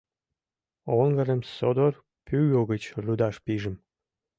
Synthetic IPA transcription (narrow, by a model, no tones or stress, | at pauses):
oŋɡəɾəmsod̪or | pyjoɣət͡ɕrud̪ɑʃpiʒə̆m